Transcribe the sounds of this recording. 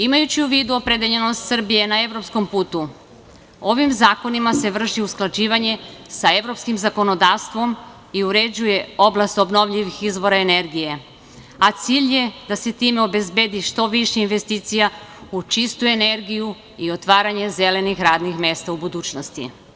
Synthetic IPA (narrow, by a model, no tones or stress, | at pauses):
imajut͡ɕiuʋiːd̪uo̞pɾed̪eʎe̞no̞st̪sr̩bije̞nae̞ʋɾo̞psko̞mpuːt̪u | o̞ʋimzaːko̞nimase̞ʋr̩ʃiusklad͡ʒiːʋaɲe̞sae̞ʋɾo̞pskimzako̞no̞d̪aːʋst̪ʋo̞m | iuɾe̞d͡ʑuje̞o̞blˠast̪o̞bno̞ʋʎiʋixizʋo̞ɾaene̞ɾɡije̞ | at̪siːʎje̞d̪aset̪iːmeo̞be̞zbed̪iʃt̪o̞ʋiʃeinʋe̞st̪iːt̪sijaut͡ʃist̪ue̞ne̞ɾɡiju | io̞t̪ʋaːɾaɲe̞ze̞le̞nixɾaːd̪nixme̞st̪aubud̪uːt͡ʃnost̪ḭ